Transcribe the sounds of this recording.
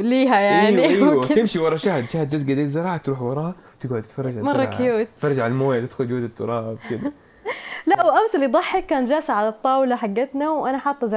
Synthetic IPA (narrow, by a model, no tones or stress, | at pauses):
liːɦajaʔʕinːiiwaɪmʃiwɑɾˤɑʃaːhɪd̪ʃaːhɪd̪̚t̪ɪs̬ɡad̪eːzɪɾˤɑːʕat̪ɾuːħwɑɾˤɑːhɑt̪ɪɡʕʊd̪t̪fɑrˤːɑd͡ʒʕamɑˤːɑkɪjuːt̪fɑrˤːɑd͡ʒʕalalmoːjat̪ɪd̪xʊld͡ʒoːd̪ɪt̪ˤːʊɾˤɑːbkɪd̪a | laʔwʔamsɪlːid̪ˤɑħːɪkːaːnd͡ʒaːsaʕalat̪ˤːɑːwlaħaɡːat̪nawʔanaħɑt̪ˤːɑzɪ